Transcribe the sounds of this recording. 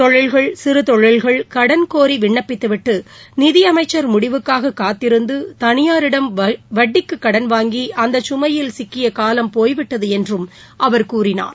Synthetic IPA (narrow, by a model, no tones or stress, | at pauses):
t̪ɔɻɪlɣɐɭsɪɾɯt̪ɔɻːɪlɣɐɭkɐɽɐnkoːɾiʋɪɳːɐpːɪt̪ːɯʋɪʈːɯnɪðɪjɐmɐɪt͡ʃːɐɾmʊɽɪʋɯkːaːɣɐkːaːt̪ːɪɾɯnd̪ɯt̪ɐnɪjaːɾɪɽɐmʋɐɖːɪkːɯkːɐɽɐnʋaːŋɡiʔɐnd̪ɐt͡ʃːʊmɐjɪlsɪkːɪjɐkaːlɐmpoːjʋɪʈːɐðɯɛndrɯm | ʔɐʋɐɾkuːɾɪna̰ːɾ